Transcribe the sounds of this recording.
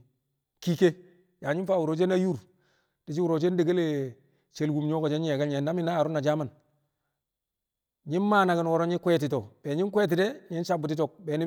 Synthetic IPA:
ki˦ke˦ | ja˨ɲi˦faː˦˨wu˨ɾo˨t͡ʃe˦na˦ju˦ɾ | d̥i˨d͡ʒi˦wu˨ɾo˨t͡ʃe˦nde˨ɡe˦le˦˨ | t͡ʃe˨lɡu˨mɲo˦ko˨d͡ʒe˦ɲe˨ɡa˦ɲe˨nːa˦mi˦naː˦˨ɾu˦na˨d͡ʒa˦ma˨n | ɲi˦nmaː˦na˨ɡi˨nwɔ˨ɾo˦ɲi˦kwɛ˦t̬i˨to˨b̥e˨ɲi˦nkwe˦t̬i˨de˦ɲi˦nsa˦bu˨ti˦to˨k̚beː˨ni˦

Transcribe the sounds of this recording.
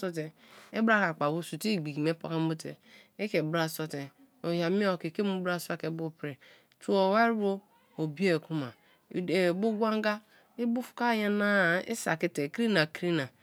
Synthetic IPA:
so˦te˨e˦bɾa˦ka˨k͡pa˨wu˦˨su˨ti˦˨ɡ͡bi˨ki˨me˦po̰˨ka˦mu˦tḛ˨e˦ke˨bɾa˦˨so˦te˨ | o˨ja˨mi˦o˨ke˨ke˦mu˦bɾa˦˨sa˦ke˨˦bo˦pɾe˨ | tu˦o˨wa˦ɾɾo˦ | o˨bi˦e˦˨ku˦ma˨ | e˨bu˦ɡʷa˦ŋ˦ɡa˦ | i˦bu˦fu̥˦ka˦je˦na˦˨ḭ˦sa̰˨ki˦te˨ki˦na˨kɾi˦na˨

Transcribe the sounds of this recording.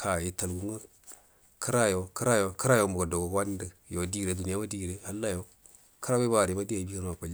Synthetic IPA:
kʰa˨ji˨ta˨lɡu˦ŋa˦ | kʰə˦ɾa˦jo˨kə˦ɾa˦jo˨kə˦ɾa˦jo˨˦mo˨a˨do˨ɡo˨˦a˦n˦də˦ | jo˨˦di˦˨ɾe˨du˨ni˦ja˦wa˦di˦˨ɾe˦ha˦lːa˦jo˦ | kə˦ɾa˦be˦ba˨ɾi˨ma˦di˦ja˨i˦bi˦ka˦n˨wa˨pa˨l

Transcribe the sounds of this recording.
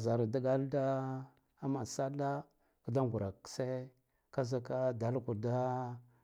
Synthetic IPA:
za˨ɾa˨da˦ɡa˦lda˦ | a˦ma˨sa˦la˦ | kə˨da˦ŋɡu˨ɾa˨kse˦ | ka˦za˦ka˦da˨˦lku˨da˦

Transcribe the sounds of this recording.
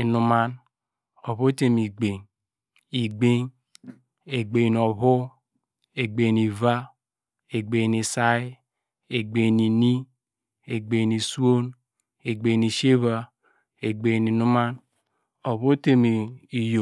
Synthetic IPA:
i˨nu˨ma˦n | o˨βo˦te˦mi˨ɡ͡be˨ŋ | i˨ɡ͡be˦ŋ | e˨ɡ͡be˨n˨ɔ˨βo˦ | e˨ɡ͡be˨ni˨va˦ | e˨ɡ͡be˨ni˨sa˦ | e˨ɡ͡be˨ni˨ni˦ | e˨ɡ͡be˨ni˨su˦o˦n | e˨ɡ͡be˨ni˨ʃe˦βa˨ | e˨ɡ͡be˨ni˨nu˦ma˦n | o˨βo˦te˦mi˨i˨jo˨

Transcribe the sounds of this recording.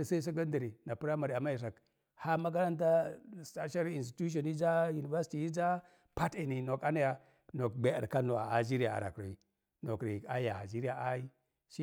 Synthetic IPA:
sa˦i˦s̬a˦ɡa˦ndi˨ɾi˨na˨pu˦ɾa˦ma˨ɾi˨a˨ma˦i˨s̬a˨k | ha˦ma˦k̬a˦ɾa˦nt̬a˦˨sta˦ʃa˦li˨nsti̥˨tu˦ʃ̬o˨ni˦d͡ʒa˦ju˨ni˨va˦si̥˦ti˨ji˦d͡ʒa˦ | pa˦ti˨ni˨no˨ka˦na˦ja˨ | no˨k̚ɡ͡be˦a̰˨ɾka˦no˨a̰˨a̰˨d͡ʒi˦ɾa˨a̰˨ɾa̰˨ki˨ | no˨ki˨ka˦ja˨a̰˨d͡ʒi˦ɾi˦ja˨ʔa˦i˦ | ʃi˦

